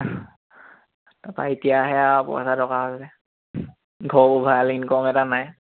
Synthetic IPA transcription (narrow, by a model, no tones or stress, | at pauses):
tapa̰itijaɦɛapɔ̰sadɔkaɦasɛ | ɡʱɔubʱalinkɔmɛtanaj